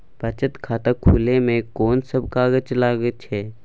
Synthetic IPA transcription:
bɐt͡ʃət̪kʰaːt̪akʰuːlemẽkɔːnsəbkaːɡət͡ʃlaːɡət͡ʃɦɛː

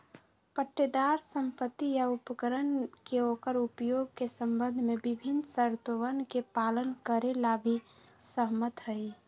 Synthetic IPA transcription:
pəʈːed̪aɾsə̃mpət̪ːijaʊpəkəɾənkeoːkəɾʊpjoːɡ̚kesə̃mbə̃nd̪ʱmẽbɪbʱɪnsəɾt̪oʋənkepaːlənkəɾelabʱi | səɦmət̪ɦəi

